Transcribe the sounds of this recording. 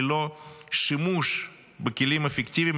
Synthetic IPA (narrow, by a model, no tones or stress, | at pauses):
loʃɨmuʂ | bɨkʲɪlʲimefʲɪktʲiʋʲim